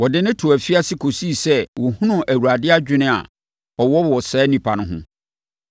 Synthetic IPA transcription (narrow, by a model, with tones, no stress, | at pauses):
wɔ˨dɪ˦nɪ̃˦tʰʊ˨æ˨fi˦a˦sɪ˦kʰo˨si˦˨sɛ˦wɔ˨hũ˦nʊ̃˦˨ʔæ˨wu˨ɾa˨dɪ˦a˦d͡ʑᶣɪ˦nɪ̃˦a̰˨ | ɔ˨wɔ˦wɔ˨sɛː˨˦nĩ˨pʰa˨nʊ̃˦ɦʊ̰̃˦